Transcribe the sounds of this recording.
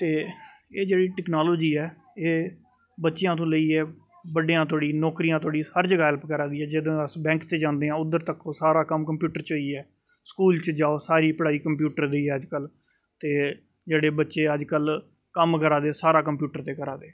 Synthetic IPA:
t̪eːeːd͡ʒeːɽiːʈɛknaːloːd͡ʒiːɛː | eː | bətːʃɪjãːt̪̬õːləiːɛː | bəɖiːãːt̪ʰoːɽiːnɔːkɾijãːt̪ʰoːɽiːhəɾd͡ʒəɡaːɦɛlpkəɾaːd̪iːɛːd͡ʒɪd̪õːəsbɛ̃ːŋkt̪eːd͡ʒãːnd̪eːãːʊd̪əɾt̪əkõːsaːɾaːkəmkəmpjuːʈəɾt͡ʃɦoiːɛː | skuːlt͡ʃd͡ʒaːoːsaːɾiːpəɽaːiːkəmp̬juːʈəɾd̪eiːɛːəd͡ʒkəl | t̪eː | d͡ʒeːɽeːbətːʃeːəd͡ʒkəlkəmkəɾaːd̪eːsaːɾaːkəmpjuːʈəɾt̪eːkəɾaːd̪eː

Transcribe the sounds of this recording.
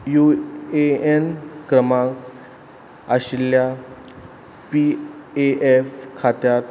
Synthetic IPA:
jueenkɾəmak | aɕilja | pieʔefkʰat̪jat̪

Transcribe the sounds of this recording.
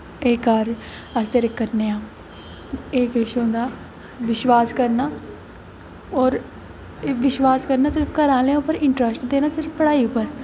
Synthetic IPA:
eːkaːɾ | əst̪eɾekːəɾneːãː | eːkɪʃõːnd̪aː | ʋɪʃʋaːskəɾnaː | ɔːɾ | ʋɪʃʋaːskəɾnaːsɪɾfkəɾãːlẽʊpəɾɪɳʈɾəsʈd̪eːnaːsɪɾfpəɽaːiʊpːəɾ

